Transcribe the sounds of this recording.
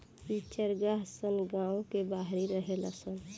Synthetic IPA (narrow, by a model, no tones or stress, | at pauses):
it͡ʃəɾɡaɦsəlɡãõkebaɦɾiɾəɦelasən